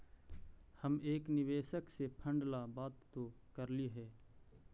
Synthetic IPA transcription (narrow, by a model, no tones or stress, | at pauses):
həmeːknɪʋeːʃəksepʰə̃ɳɖlabaːt̪ːo | kəɾliɦɛː